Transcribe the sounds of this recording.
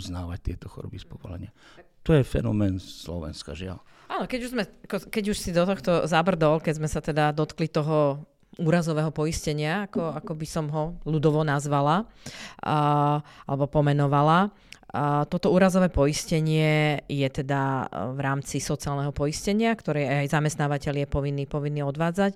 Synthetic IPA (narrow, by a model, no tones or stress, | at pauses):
uznaːʋac̚t̪ɪɛt̪ɔxɔ̰ɾɔ̰bispɔʋɔ̰lɛ̰ɲɪa | t̪ɔjɛfɛ̰nɔ̰mɛːnslɔ̰ʋɛ̰nska̰ʒɪa̰l | aːnɔkɛɟuʒzmɛakɔkɛɟuʃsid̪ɔt̪ɔxt̪ɔzabr̩d̪ɔlkɛɟzmɛsat̪ɛd̪ad̪ɔt̪klit̪ɔɦɔ | uːɾazɔʋɛːɦɔpɔiscɛɲɪaːkɔakɔbisɔmɦɔlud̪ɔʋɔnazʋala | alɛbɔpɔmɛnɔʋala | t̪ɔt̪ɔuːɾazɔʋɛːpɔiscɛɲɪɛjɛt̪ɛd̪avɾaːmt͡sisɔt͡siaːlnɛɦɔpɔjiscɛɲɪakt̪ɔɾɛajzamɛst̪naːʋacɛʎjɛpɔʋinːiːpɔʋinːiːɔd̪ʋaːd͡zac